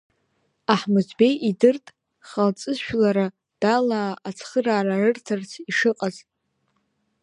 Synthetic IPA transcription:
aħmɨzbe̞jidɨrtʼ | χalt͡sʼɨzʃᶣlaɾa | d̥alaːʔat͡sʰχəraːrarɨrtʰɨrt͡sʰiʂɨqʼazʼ

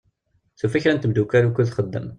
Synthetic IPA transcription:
θufæçɾænt̪əmd̪ukaɾukːulθχəd̪ːə̰m

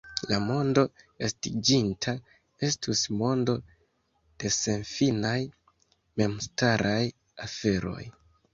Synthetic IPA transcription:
lamo̞ndo̞ | estid͡ʒintʰa | e̞stusmo̞ndo̞ | d̥e̞se̞nfinaj | me̞mstaɾʔaj | afe̞ɾo̞̰j

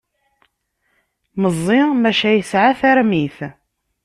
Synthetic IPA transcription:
məzˤːɪmæʃæjəsʕaθæɾmiθ

